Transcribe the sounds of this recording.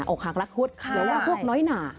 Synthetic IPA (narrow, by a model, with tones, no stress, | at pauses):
ʔɔː˨˩k̚haː˨˩k̚la˦˥k̚ʰu˦˥t̪̚ɯ˨˦wlɛː˦˥˩pʰu˥˩k̚nɔː˦˥jnaː˨˩